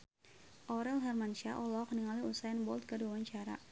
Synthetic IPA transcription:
ʔɔɾɛlɦɛrmant͡ʃaʔɔlɔkniŋaliusajanbɔlt̪̚kəduawaɲt͡ʃaɾa̰

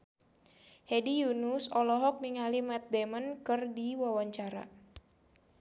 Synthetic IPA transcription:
hedijunusɔlɔɦɔk̚niŋalimɛt̪̚demənkɨrdiwawaɲt͡ʃaɾa̰

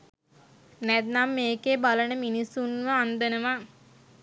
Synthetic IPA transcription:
nɛd̪namːeːkebalənəminisunʋəand̪ənəʋa

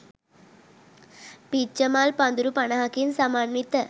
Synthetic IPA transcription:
pit͡ʃəmaːlpand̪uɾupanaɦakinsamaːnːit̪ə

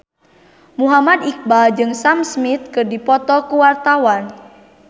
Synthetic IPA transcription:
muɦamadik̚bad͡ʒɨŋsamsmit̪̚kɨrdipɔt̪ɔkuwart̪awan

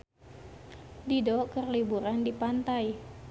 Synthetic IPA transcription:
didokərlibuɾandipant̪aj

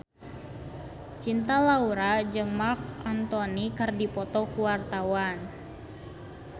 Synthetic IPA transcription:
t͡ʃint̪alauɾad͡ʒɨŋmark̚ant̪ɔnikɨrdipɔt̪ɔkuwart̪awan

